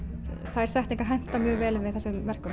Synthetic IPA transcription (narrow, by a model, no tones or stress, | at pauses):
θaɛɾ̥sɛht̪iŋkaɾ̥ɦajn̥t̪amjœːvɛːlɪvɪðθɛsːɛmvɛr̥kʏ